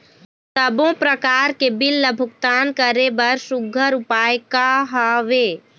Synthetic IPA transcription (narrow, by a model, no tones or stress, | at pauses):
səbõpɾəkaːɾkebɪlːəbʱʊkt̪aːnkəɾebɐɾsʊɡʱəɾʊpaːjkaɦaʋeː